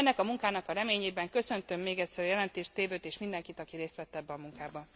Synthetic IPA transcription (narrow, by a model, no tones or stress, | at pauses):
ɛnːɛkɒmuŋkaːnɒkɒɾɛmeːɲeːbɛŋkø̞sø̞nt̪ø̞mːeːɡɛcʲsɛɾjɛlɛnt̪eːʃt̪eːvøːt̪eːʃmind̪ɛŋkit̪ɒkiɾeːst̪ʋɛt̪ːɛbːɛɒmuŋkaːbɒ